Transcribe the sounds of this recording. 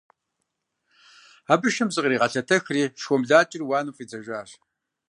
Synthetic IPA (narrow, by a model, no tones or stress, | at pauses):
aːbɨʃɨmzʼɨqʼriːʁɐɬɐtʰɐxriːʃxʷɔmɮaːt͡ʃʼɪrwɑːnufʼiːt͡sʰɐʒʷaːɕ